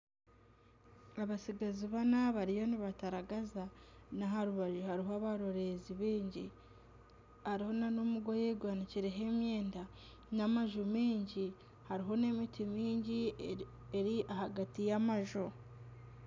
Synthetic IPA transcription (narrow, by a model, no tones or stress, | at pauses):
aβasiɡaziβanaβaɾijo̞niβataɾaɡazanaɦaɾuβaʒuhaɾiɦoaβaɾoɾe̞ziβiːɲɟi | haɾiho̞nanomuɡojeɡwaːniciɾe̞ɦe̞mjeːnda | namaʒumiːɲɟi | haɾiɦo̞ne̞mitimiːɲɟi | eɾiʔahaɡatijamaʒu